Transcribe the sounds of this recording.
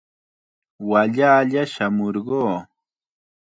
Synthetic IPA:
waʎaːʎaʃamoɾɢoː

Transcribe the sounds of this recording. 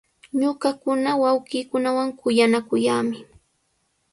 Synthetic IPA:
ɲʊɢɑkʊnawawɢiːkʊnawaŋkʊjanakʊjaːmɪ

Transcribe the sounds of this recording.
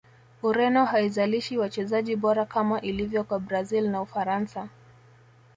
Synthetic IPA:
uɾɛnɔhaizaliʃiwat͡ʃɛzaʄiɓɔɾakamaʔilivjɔkwabɾazilnaufaɾansa

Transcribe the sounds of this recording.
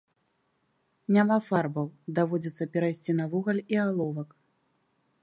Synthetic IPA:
nʲamafarbɐwd̪avɔd͡zʲit̪sːɐpʲɛɾajsʲt͡sʲinɐvuɣɐlʲialˠɔvɐk

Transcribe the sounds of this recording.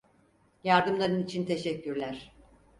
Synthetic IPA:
jaɾd̪ɯmlˠaɾɯnit͡ʃʰint̪ʰe̞ʃɛcʰːyɾlʲæɾ̥

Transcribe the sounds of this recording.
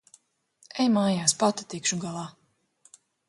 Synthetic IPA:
ɛjmaːjaːspat̪at̪ikʃuɡalˠaː

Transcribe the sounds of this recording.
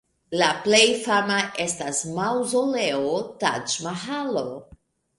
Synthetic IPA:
laple̞jfamaʔe̞stasmawzoleota̰d͡ʒmaɦalo

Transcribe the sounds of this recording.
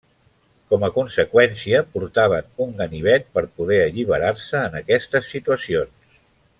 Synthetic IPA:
kɔməkunsəkwɛnsiəpuɾt̪aβ̞ənuŋɡəniβ̞ɛt̪̚pəɾpuðɛəʎiβ̞əɾarsəːnəkɛst̪əsːit̪uəsions

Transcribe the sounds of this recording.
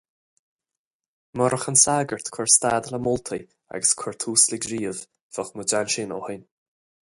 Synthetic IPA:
mɔɾəxənsaːɡəɹt̪kʰɔɹst̪aːd̪ələmʊlt̪ʰə | a̰ɡəskʰɔɹt̪ʰuːsləɡɾiːəv | v̥ɔxməd͡ʒanʃɪnɔ̰hən

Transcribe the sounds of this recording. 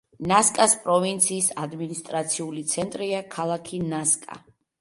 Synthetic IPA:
naskʼaspʼɾɔvint̪sʰiːsad̪minist̪ʼɾat̪sʰiulit̪sʰɛnt̪ʼɾiakʰalˠakʰinaskʼa̰

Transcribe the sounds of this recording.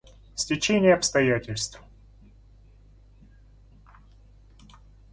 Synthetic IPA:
sʲtʲɪt͡ɕenʲɪjəɐpst̪ɐjatʲɪlʲst̪f

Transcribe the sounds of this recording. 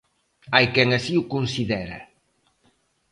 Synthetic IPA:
ajkɛŋasiukunsiðɛɾɐ̰

